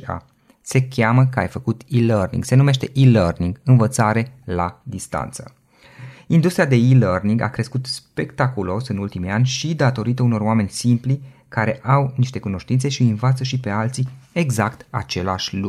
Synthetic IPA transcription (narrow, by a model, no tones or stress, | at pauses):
a̰ | se̞kʲaməkəa̰jfəkut̪ilərnḭŋɡse̞nume̞ʃt̪e̞ʔilərniŋɡɨnvət̪saɾe̞lad̪ist̪a̰nt̪sə̰ | ind̪ust̪ɾiad̪e̞ilərniŋɡa̰kɾe̞skut̪spe̞kt̪akulo̞sɨnult̪imianʲʃid̪at̪o̞ɾit̪əuno̞roame̞nʲsimplikaɾe̞ʔawniʃt̪e̞kuno̞ʃt̪int̪se̞ʃiɨnvat̪səʃipe̞alt̪sie̞ɡzakt̪a̰t͡ʃe̞laʃʲlu